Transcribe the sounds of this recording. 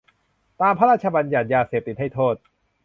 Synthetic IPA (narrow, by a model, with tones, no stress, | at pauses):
t̪aː˧mpʰa˦˥ɾaː˥˩t͡ɕʰa˧ba˧nja˨˩n̚jaː˧seː˨˩p̚t̪i˨˩t̪̚ha˥˩jt̪ʰoː˥˩t̪̚